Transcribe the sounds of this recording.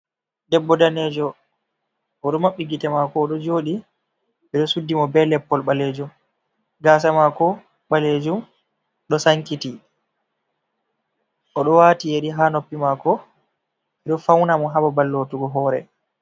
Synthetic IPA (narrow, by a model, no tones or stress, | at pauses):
dɛbːɔdanɛd͡ʒɔ | ʔɔɗɔmaɓːiɡitɛmakɔːɗɔd͡ʒoːɗi | ɓɛɗɔsudːimɔbɛlɛpːɔlɓaled͡ʒum | ɡaːs̬amakɔ | ɓaled͡ʒum | ɗɔsaŋkiti | ʔɔɗɔwatijeɾiɦaːnopːimakɔ | ɓɛɗɔfawnamɔɦababalːotuɡɔɦɔːɾɛ̰